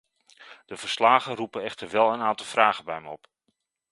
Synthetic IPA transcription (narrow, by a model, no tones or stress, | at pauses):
d̥əvəɹslaːχənrupəɛχtəɹʋɛlˠənaːntɑlˠvraːχəbɛjməɔp